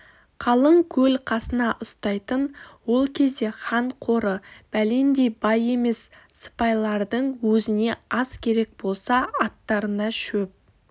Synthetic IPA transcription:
qʰɑlˠəɴkʲʰɵlqʰɑsənɑʔʊst̪ɑjt̪ənwo̞lˠkʲʰe̞zd̪e̞χɑɴqʰo̞ɾəb̥æle̞nd̪e̞bɑje̞me̞sːə̥pɑjlˠɑɾd̪əɴwɵzɪne̞ɑskʲʰe̞ɾe̞k̚bo̞lˠsɑɑt̪ːɑɾənɑʃɵp̚

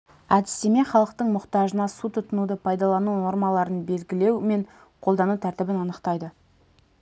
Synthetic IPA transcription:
æd̪ɪ̥st̪e̞me̞χɑlˠəq̚t̪əɴmʊqt̪ɑʒənɑsut̪ʰʊt̪ənud̪əpʰɑjd̪ɑlˠɑnuno̞ɾmɑlˠɑɾənbe̞lɡʲɪle̞wme̞ɴ | qʰo̞lˠd̪ɑnut̪ʰæɾt̪ɪbɪnɑnəqt̪ɑjd̪ə

